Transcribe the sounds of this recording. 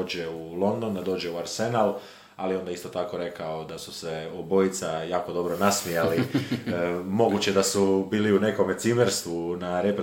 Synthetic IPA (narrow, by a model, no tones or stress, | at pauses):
od͡ʑeulˠo̞nd̪o̞nd̪ad̪o̞ːd͡ʒe̞uaɾsenalˠ | alieo̞nd̪aist̪o̞t̪ako̞ɾe̞kao̞d̪asu̥se̞obo̞it̪sajaːko̞d̪o̞bɾo̞nasmijali | mo̞ɡut͡ɕed̪asubiːliune̞ko̞met̪simeɾst̪ʋunaɾe̞pɾe